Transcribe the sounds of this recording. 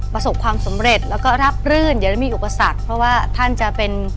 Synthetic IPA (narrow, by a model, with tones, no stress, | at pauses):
pɾa˧so˨˩p̚kʰwaː˧msa˩˦mɾe˨˩t̪̚lɛː˦˥wkɔː˥˩ɾa˦˥p̚ɾɯː˥˩ndi˨˩˦da˥˩miː˧ʔu˨˩pa˧sa˨˩k̚pʰɾɔ˦˥waː˥˩t̪ʰa˥˩nt͡ɕa˨˩pe˧n